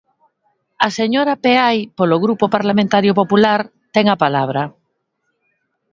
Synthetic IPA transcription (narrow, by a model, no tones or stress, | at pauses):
aseɲoɾapeajpoloɣɾupopaɾlamẽnt̪aɾjopopulaɾ | t̪ɛŋapalaβ̞ɾa